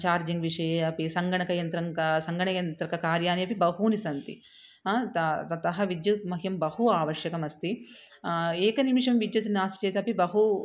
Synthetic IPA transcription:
t͡ʃaːɾd͡ʒiŋɡʋiʂɐjeɐpisɐŋɡɐɳɐkɐjɐnt̪ɾɐŋsɐŋɡɐɳɐjɐnt̪ɾɐkɐkaːɾjaːniɐpibɐɦuːnisɐnt̪ḭ | t̪ɐt̪ɐt̪ɐɦɐʋid̪jɐt̪mɐɦjɐmbɐhuaːʋɐʂjɐkɐmɐst̪i | eːkɐnimiʂɐmʋid̪jɐt̪naːsi̥t͡ʃeːt̪ɐpibɐɦu

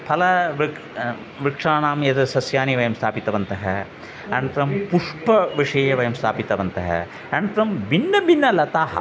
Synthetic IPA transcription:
pʰɐlɐʋ | ʋɾikʂaːnaːmjɐt̪ɐsɐsjaːniʋɐjɐmst̪ʰaːpit̪ɐʋɐnt̪ɐɦɐ | ɐnt̪ɾɐmpuʂpɐʋiʂɐjɐʋɐjɐmst̪ʰa̰ːpit̪ɐʋɐnt̪ɐɦɐ̰ | ɐɳt̪ɾɐmbinːɐbinːɐlɐt̪aːɦɐ̰

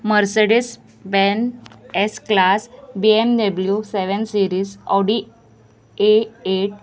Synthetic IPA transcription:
məɾseɽis | benesklasbiemdəbljuseʋənsiɾiːsɔɽi | eeʈ̚

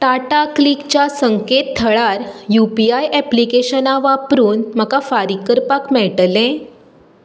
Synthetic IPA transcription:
ʈaʈaklikt͡ɕasəŋket̪t̪ʰːəɭaɾjupiajʔɛplikeɕənaʋapɾuːnm̤əkafaɾikəɾpakmɛɭʈəlɛ̃

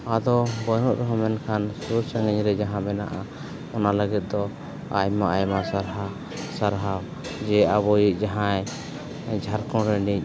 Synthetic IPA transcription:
ad̪ɔbɔjnuʔɾɛɦɔmɛnkʰansuɾsaŋɡɛɲɾɛd͡ʒaɦãbɛna̰ʔa | ɔnaləɡɛt̪̚d̪ɔ | ajmaʔajmasaɾɦa | saɾɦaw | d͡ʒɛaβɔjiʔ̚ˀd͡ʒaɦãj | d͡ʒʱaɾkɔ̃ɾɛniɲ

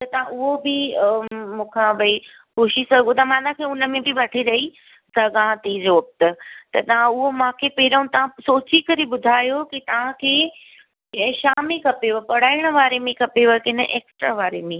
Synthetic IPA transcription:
t̪ɐt̪ɐʋ̤ãʔʊɦobɪ | mũːkʰãʋɐi | koːʃisɐɡʱot̪ɐmãːnãkʰeʊnəmẽbɪʋɐʈʰiɾɐɦi | sɐɡãːt̪id͡ʑoːk̚t̪ət̪ɐt̪ɐʋ̤ãʊɦomãːkʰepɐɪɾəʊ̃t̪ɐʋ̤ãsoːt͡ɕikɐɾebʊd̪ʱaːjokit̪ɐʋ̤ãkʰeː | ʃaːmẽkʰɐpeʋopɐɽ̤aːɪɽ̃ə̆ʋaːɾemẽkʰɐpeʋəkɪnə̰ʔeːksʈɾaʋaːɾemẽ

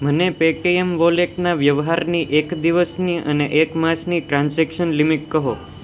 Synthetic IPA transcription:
mənepekeemʋoleʈnaʋjəʋɦaɾniʔekd̪iʋəsniʔəneʔekmasniʈɾãnsɛkʃənlimiʈ̚kəɦo

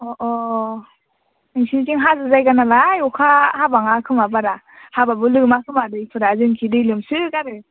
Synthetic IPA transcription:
ɔʔɔ | ɯŋsintiŋɦazɯzajɡanalajɔkʰahabaŋakʰɯmabaɾa | hababɯlɯmakʰɯmadɯjpʰɯɾazɯŋkʰidɯjlɯmsɯkaɾɯ

